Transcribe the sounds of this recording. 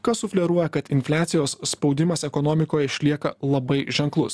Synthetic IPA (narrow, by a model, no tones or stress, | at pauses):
kɐsʊfʲlʲɛɾuɔjɛkɐt̪ɪnʲfʲlʲæːt̪sʲɪjoːssːpɒʊd̪ʲɪmɐsɛkɔnɔːmʲɪkoːjɛɪʃʲlʲiɛkɐlˠɐbɐɪʒʲɛŋklˠʊs